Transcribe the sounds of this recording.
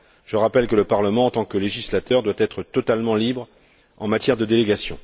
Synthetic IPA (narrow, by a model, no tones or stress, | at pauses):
ʒ̥əʁapɛlkələpaʁləmɑ̃ːt̪ɑ̃kəleʒislat̪œʁd̪wat̪ɛt̪χət̪ɔt̪almɑ̃libʁ | ɑ̃mat̪jɛʁd̪əd̪eleɡasjɔ̃